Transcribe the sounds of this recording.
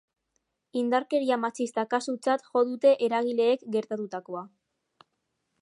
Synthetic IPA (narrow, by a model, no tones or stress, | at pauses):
ind̪aɾke̞ɾiamat͡sist̪akasut͡sat̪ʝo̞ðut̪e̞ʔeɾaɣ̞ile̞ːkɡe̞ɾt̪at̪ut̪ako̞a